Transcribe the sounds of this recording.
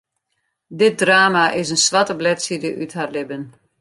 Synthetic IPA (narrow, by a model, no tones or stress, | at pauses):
dɪt̚draːmaʔɪsənsʋatəblɛtsidəʔytɦarlɪbən